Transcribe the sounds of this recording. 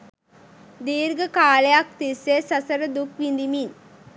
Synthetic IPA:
d̪iːɾɡəkaːlejak̚t̪isesɐsəɾəd̪ukʋind̪imin

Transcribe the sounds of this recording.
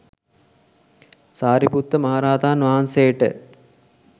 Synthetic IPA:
saːɾiput̪ːəmɐɦaɾaːd̪aːnʋaɦansejəʈə̰

